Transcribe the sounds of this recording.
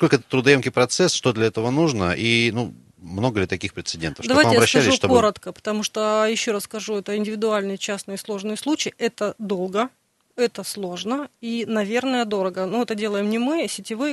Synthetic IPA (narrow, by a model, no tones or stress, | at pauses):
skolʲkəɛt̪ət̪ɾʊd̪ɐjomkʲijpɾɐt̪sɛsʂt̪od̪lʲɐɛt̪əvənuʐnəʔinu | mno̞ɡəlʲɪt̪ɐkʲixpɾʲɪt̪sɨdʲent̪əfd̪ɐajaɐɪjbɾɐɕːællɪsuʂt̪okoɾət̪kəpə̥t̪ɐmuʂt̪ojɪɕːo̞ɾɐsskɐʐuɛt̪əɪnʲdʲɪvʲɪd̪ʊalʲnɨjət͡ɕasnɨjəslˠo̞ʐnɨjslˠut͡ɕɪjʔɛt̪əd̪o̞lˠɡə | ɛt̪əslˠo̞ʐnəinɐvʲe̞rnəjəd̪o̞ɾəɡənuɛt̪ədʲe̞lˠəjɪmnʲɪmɨsʲɪtʲɪvɨ